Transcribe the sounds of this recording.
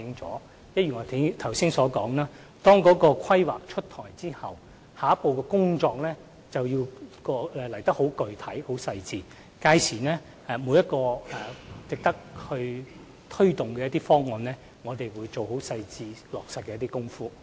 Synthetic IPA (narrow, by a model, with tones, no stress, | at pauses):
ɪ˥ŋt͡sɔ̰ː˨˥ | jɐ˥t̚jyː˨˩ŋɔː˨˧t̪ʰɐ˨˩wsiː˥ŋsɔː˨˥kɔː˨˥ŋnaː˦˥ | t̪ɔː˥ŋkɔː˨˧˥kɔː˧kʰɐ˥jwa̰ː˨˩k̚t͡ʃʰɵ˥t̚t̪ʰɔː˨˩jt͡siː˥hɐ˨˩w | haː˨˦˥po˨˧wkɛː˧kʊ˥ŋt͡ʃɔː˧k̚lɛː˥ | t͡sɐ˨wji˧wkɔː˧ɛ˨lɐ˨˩jt̪ɐ˥k̚ho˨˥wkɵ˨ɥt̪ʰɐ˨˥jho˨˥wsɐ˧jt͡siː˧ | kaː˧jsʰiː˨˩nɛː˥ | ɛ˨˧muː˨˧jɐ˥t̚kɔː˧ɛ˨˩t͡sɪ˨k̚t̪ɐ˥k̚hɵ˧ɥ | t̪ʰɵ˥ɥt̪ʊ˨ŋkɛː˧ɐ˥t̪iː˥fɔː˥ŋːɔː˨nlɛː˥ | ŋɔː˨˧t̪e˨jwuː˨˧jt͡so˨wɦo˨˥wsɐ˧jt͡siː˧lɔː˨˩k̚sɐ˧t̚kːɛː˧ɐ˥t̪i˥kʊ˥ŋfuː˥